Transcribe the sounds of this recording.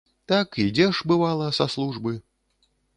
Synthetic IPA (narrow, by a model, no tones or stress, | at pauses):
t̪akid͡zʲɛʂbɨvalˠɐsaslˠuʐbɨ